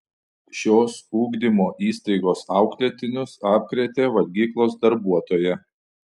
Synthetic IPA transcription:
ʃʲoːsuːɡd̪ʲɪmoːʔiːst̪ɐɪɡoːsɑˑʊklʲɛt̪ʲɪnʲʊsɑːp̚ʲkɾʲɛt̪ʲeːʋɐlʲɡʲiːklˠoːsd̪ɐɾbuɔt̪oːjɛ

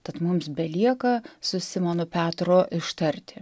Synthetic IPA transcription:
t̪ɐt̪mʊmsbʲɛlʲiɛkɐsʊsʲɪmoːnʊpʲæːt̪ɾoːʔɪʃt̪ɐɾʲt̪ʲɪ

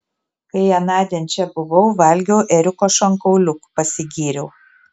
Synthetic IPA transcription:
kɐɪɛnɑːd̪ʲenʲt͡ʃʲɛbʊʋɐʊʋɐlʲɡʲɛʊʔɛɾʲʊkoːʃɐŋkɐʊlʲʊkpɐsʲɪɡʲiːɾʲɛʊ

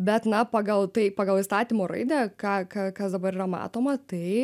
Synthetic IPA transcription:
bʲɛt̪nɐpɑːɡɐlˠt̪ɐɪpɑːɡɐlˠiːst̪ɑːt̪ʲiːmoːɾɐ̰ɪd̪ʲɛkɑːkɐkɐsd̪ɐbɐɾiːɾɐmɑ̰ːt̪oːmɐt̪ɐɪ

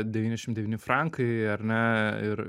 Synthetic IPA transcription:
d̪ʲɛʋʲiːnʲɛʃʲɪmd̪ʲɛʋʲiːnʲɪfɾɐŋkʰɐɪɐɾʲnʲɛɪɾ

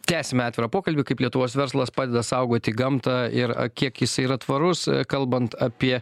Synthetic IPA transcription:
t̪ʲæːsʲɛmʲɛɑːt̪ʲʋʲɪɾɐpoːkɐlʲbʲɪkɐɪplʲiɛt̪ʊʋoːsʋʲɛɾslˠɐspɑːd̪ʲɛd̪ɐsɐʊɡuɔt̪ʲɪɡɐmt̪ɑɪɾ̰kʲiɛkɪsɐɪiɾɐt̪ʋɐɾʊskɐlˠbɐnt̪ɐpʲiɛ

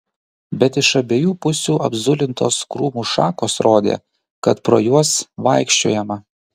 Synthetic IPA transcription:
bʲɛt̪ɪʃɐbʲeːjuːpʊsʲuːʔɐ̰bzʊlʲɪnt̪o̰ːskɾuːmuːʃɑːkoːsɾoːd̪ʲḛː | kɐt̪pɾo̰ːjuɔsʋɐɪkʃʲt͡ʃʲoːjɛmɐ

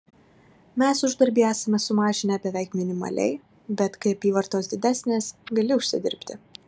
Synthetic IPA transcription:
mʲæsʊʒd̪ɐɾʲbʲiːæːsɐmʲɛsʊmɑːʒʲɪnʲɛbʲɛʋʲɛɪkmʲɪnʲɪmɐ̰lʲɛ̰ɪ | bʲɛt̪kɐɪɐpʲiːʋɐɾt̪oːsd̪ʲɪd̪ʲæːsʲnʲeːsɡɐlʲɪʊʃʲsʲɪd̪ʲɪ̰ɾʲpʲt̪ʲɪ

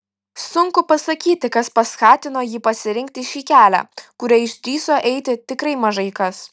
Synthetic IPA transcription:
sʊŋkʊpɐsɐkʲiːt̪ʲɪkɐspɐskɑːt̪ʲɪnoːjiːpɐsʲɪɾʲɪŋk̚t̪ʲɪʃʲiːkʲæːlʲæ̰ːkʊɾʲɛɪʃʲd̪ʲɾʲiːsoːʔɛɪt̪ʲɪt̪ʲɪkɾɐɪmɐʒɐɪkɐs

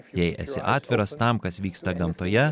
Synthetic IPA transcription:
jɛɪʔɛ̰t̪sʲɪ̰ʔɑːt̪ʲʋʲɪɾɐst̪ɐmkɐsʋʲiːkst̪ɐɡɐmt̪oːjɛ

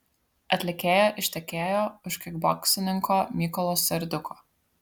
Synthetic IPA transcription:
ɐt̪ʲlʲɪkʲeːjoːʔɪʃʲt̪ʲɛkʲeːjoːʊʃkʲɪɡbɔksʲɪnʲɪŋkoːmʲiːkɔlˠɔːsʲɛɾʲd̪ʲʊkʰoː

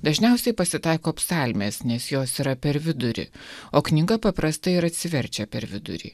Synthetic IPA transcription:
d̪ɐʒʲnʲɛˑʊsʲɛɪpɐsʲɪt̪ɑˑɪkoːɐpsɑlʲmʲeːsnʲɛsjoːsiːɾɐpʲɛɾʋʲɪd̪ʊɾʲɪ̰ | oːknʲɪɡɐpɐpɾɐst̪ɐɪɾɐt̪ʲsʲɪʋʲɛɾʲt͡ʃʲɛpʲɛɾʋʲɪd̪ʊ̰ɾʲḭː

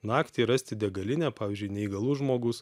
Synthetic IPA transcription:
nɑːkt̪ʲiːɾɐsʲt̪ʲɪd̪ʲɛɡɐlʲɪnʲæːpɑːʋʲɪːzʲd͡ʒʲʊɪnʲɛiɡɐlˠʊʒmoːɡʊs

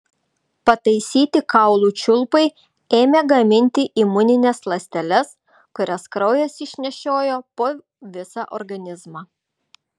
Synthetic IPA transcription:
pɐt̪ɐɪsʲiːt̪ʲɪkɐʊlˠuːt͡ʃʲʊlˠpɐɪ | eːmʲeɡɐmʲɪnʲt̪ʲɪʔimʊnʲɪnʲɛslˠɐsʲt̪ʲɛlʲɛs | kʊɾʲɛskɾɒʊjɛsɪʃʲnʲɛʃʲoːjoːpoː | ʋʲɪsɑʔɔ̰ɾɡɐnʲɪzmɑ

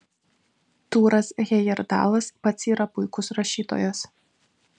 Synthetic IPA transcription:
t̪uːɾɐsɣʲɛjɛɾd̪ɑ̰ːlˠɐspɐt̪ʲsʲiːɾɐpʊɪkʊsɾɐʃʲiːt̪o̰ːjos

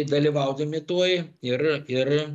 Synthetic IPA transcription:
d̪ɐlʲiʋɐʊd̪ɐmʲɪt̪uɔjɪrɪr

